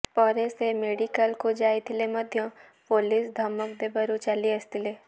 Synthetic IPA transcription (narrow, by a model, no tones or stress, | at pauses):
pɔːɾesemeːɖikəlkod͡ʒaːit̪ʰɪlemɐd̪ʱjõ | poːlisd̪ʱɐmək̚d̪ebɐɾut͡ʃɐliɐst̪ile